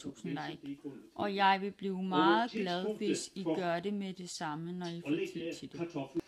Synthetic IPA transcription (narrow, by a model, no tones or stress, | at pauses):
ṵːsn̩dɑɡ̥ʔɒ̽jɑ̈ɪʋe̝b̥liːʊmɑ̈ːð̞̩ˠɡ̥lɛð̞ˠʋesiɡ̥ɶɐde̝med̥e̝sɑ̈mənɒifset͡sʰid̥e